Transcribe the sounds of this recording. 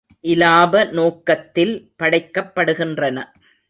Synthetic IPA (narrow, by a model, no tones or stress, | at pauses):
ʔɪlaːbɐnoːkɐt̪ːɪlpɐɽɐɪkːɐpːɐɽɯɣɪndrɐnɐ